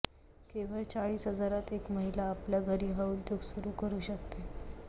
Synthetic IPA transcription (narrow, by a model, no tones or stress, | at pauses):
keʋ̤əɭt͡saɭiːsɦəd͡zaɾat̪ekməɦilaːpljaɡʱəɾiːɦaud̪joɡsuɾuːkəɾuːɕəkt̪e